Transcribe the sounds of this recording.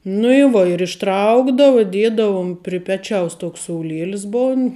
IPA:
nʊ ɪ ˈʋoː ɪr ɪʃˈtrɐʊɡdɐʋʊ ɪ ˈdʲiɛdɐʋʊm pʲrʲɪ ˈpʲæːt͡ʃʲɛʊs ˈtoːks soːʊˈlʲiɛlʲɪs ˈboːn

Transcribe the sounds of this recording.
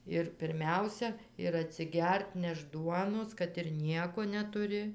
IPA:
ɪr pʲɪrʲˈmʲɛʊsʲɛ ɪr ɐtʲsʲɪˈɡʲɛrt ˈnʲɛʃt ˈduɔnoːs kɐt ɪr ˈnʲiɛkoː nʲɛtʊˈrʲɪ

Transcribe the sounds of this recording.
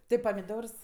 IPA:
ˈtʲɪ pɐmʲɪˈdoːrs

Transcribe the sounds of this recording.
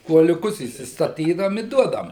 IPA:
kuɔlʲʊˈkʊs iːstɐˈtʲiːdɐʋoːm ɪ ˈduɔdɐʋɐm

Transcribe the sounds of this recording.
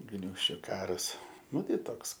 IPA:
ˈɡnʲuːʃʲt͡ʃʲʊ ˈkɑːrɐs ˈnʊ ˈtɐɪ ˈtoːks

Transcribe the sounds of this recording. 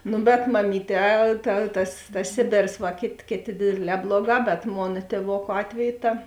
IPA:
ˈnʊ bʲɛt mɐˈmʲiːˌtʲɛː tɐ tɐs tɐs ˈsʲeːbʲeːrs ʋɐ ˈkʲeːtʲ ˈkʲeːˌtʲeː ˈdʲeːdʲeːˌlʲɛː ˈblˠoːˌɡɑː bʲɛt ˈmoːnɐ tʲeːˈʋoːkʊ ˈɑːtʲʋʲɛjʊ ˈtɐ

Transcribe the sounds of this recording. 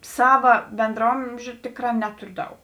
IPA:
ˈsɑːʋɐ bʲɛndrɐˈoːmʲʒʲʊ ˈtʲɪkˌrɑː ˈnʲæːtʊrʲʊ ˈdɐʊk

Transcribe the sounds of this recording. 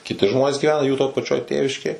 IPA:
kʲɪˈtʲɪ ˈʒmoːnʲeːs ɡʲiːˈʋʲæːnɐ juː toː pɐˈt͡ʃʲoːj ˈtʲeːʋʲɪʃʲkʲeːj

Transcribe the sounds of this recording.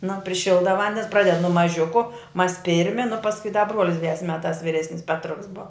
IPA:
nʊ pʲrʲɪˈʃʲɪlˠdɐ ˈʋɐnʲdʲɛns ˈprɑːdʲɛt nʊ mɐˈʒʲʊkʊ mɐs ˈpʲɪrʲmʲɪ nʊ pɐsˈkʊɪ dɐ ˈbruɔlʲɪs dʲɪˈdʲɛs ˈmʲæːtɑːs ʋʲɪˈrʲæːsʲnʲɪs ˈpʲæːtrʊks boːw

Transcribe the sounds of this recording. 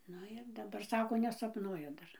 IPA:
ˈnʊ ɪr dɐˈbɐr ˈsɑːkoː nʲɛsɐpˈnuɔjɛ ˈdɐr

